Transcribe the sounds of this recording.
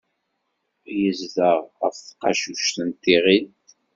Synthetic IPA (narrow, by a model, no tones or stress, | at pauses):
jəzðəʁə̰fθqɑ̰ʃuʃt̪ənt̪ːiʁid̪